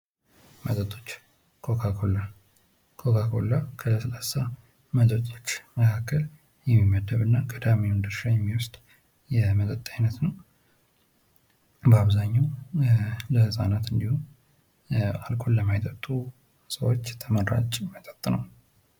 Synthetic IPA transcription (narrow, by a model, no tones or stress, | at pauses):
mət̪ʼət̪ʼot͡ʃː | kʰokʰakola | kʰokʰakʰo̞̰lːakʰələsəlasa | mət̪ʼət̪ʼot͡ʃːməkʰakːəl | jɛmːimːəd̪əβɨnːakʼəd̪amiund̪ɨɾʃajɛmːiwʊst̪ʼ | jɛmət̪ʼət̪ʼːajnət̪nəw | bəaβzaɲːaw | ləhɨsʼa̰nat̪ɨnd̪ihu | alkʰʼolːəmajt̪ʼət̪ʼːu | səwo̞t͡ʃːt̪ʰəməɾa̰t͡ʃʼmət̪ʼət̪ʼːnəw